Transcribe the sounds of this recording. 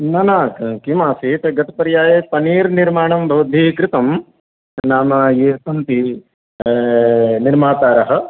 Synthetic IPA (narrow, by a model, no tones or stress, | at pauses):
nɐnaːkimaːsit̪ɐɡɐt̪ɐ̥pɐɾjaːjeːpɐniːɾniɾmaːɳɐmbʱɐʋɐd̪ʱiːkɾɪt̪ɐm | naːmɐeːsɐnt̪i | niɾmaːt̪aːɾɐɦɐ̆